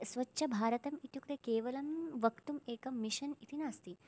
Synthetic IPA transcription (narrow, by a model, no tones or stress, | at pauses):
sʋɐtːʃʰɐbʱaːɾɐt̪ɐmit̪jukɾekeːʋɐlɐmʋɐkt̪umeːkɐmiʃɐnit̪inaːst̪i